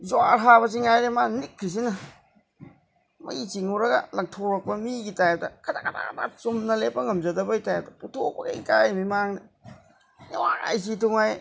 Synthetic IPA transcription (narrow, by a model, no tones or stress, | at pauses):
zwaɾɦaβɐs̬iŋajɾemanikʰːɾis̬inɐ | mɐ̰jt͡ʃiŋuwɾɐɡɐ̰lɐŋtʰoɾɐk̚pɐmiɡitajep̚dɐkʰɐdakʰada̰kda̰t͡ʃomnɐlepːɐŋɐmzɐdɐbɐɡitajp̚dɐputʰok̚bɐɡɐikajmimaŋnɐ | newaɾa̰js̬itʰuŋaj